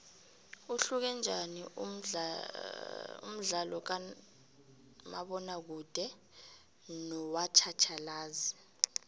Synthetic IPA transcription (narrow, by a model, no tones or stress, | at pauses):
uɬuk̬ɛnd͡ʒʱani | ṵm̩ɮalɔk̬a | ma̰ɓɔnak̬ud̥ʱɛ | nɔwat͡ʃʰat͡ʃʰalaːzi